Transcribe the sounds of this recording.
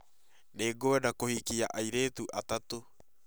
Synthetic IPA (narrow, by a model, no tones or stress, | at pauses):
neːɡoɛdakohikiaʔaiɾeːt̪uʔat̪at̪o